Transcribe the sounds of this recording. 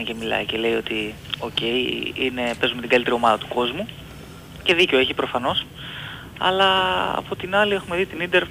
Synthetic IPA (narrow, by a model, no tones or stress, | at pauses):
cemilɐ̰ice̞le̞jo̞t̪i | o̞ce̞iine̞pe̞zumet̪iɡɐlit̪eɾio̞mɐðɐt̪uko̞zmu | ce̞ðico̞eçipɾo̞fɐno̞s | ɐ̰lɐɐ̰pot̪inɐlie̞xume̞ðit̪inid̪eɾ